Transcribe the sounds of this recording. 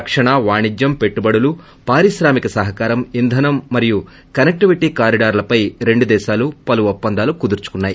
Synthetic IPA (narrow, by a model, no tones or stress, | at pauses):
ɐkʂɐɳɐʋaːɳid͡ʒjɐmpe̞ʈːubɐɽulu | paːɾiʃɾaːmikɐsɐɦɐkaːɾɐmind̪ʱɐnɐmːɐɾiju | kɐnek̚ʈiʋiʈiːkaːɾiɖaːɾlɐpɐjɾe̞ɳɖud̪ɛːʃaːlupɐluɔpːɐnd̪ʱaːlukud̪uɾt͡ʃu̥kunːaːji